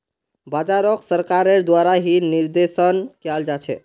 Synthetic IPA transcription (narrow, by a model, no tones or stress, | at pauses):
bad͡ʒaɾɔksəɾkaɾeɾd̪waɾaɦiniɾd̪esənkjald͡ʒat͡ʃʰɛ̰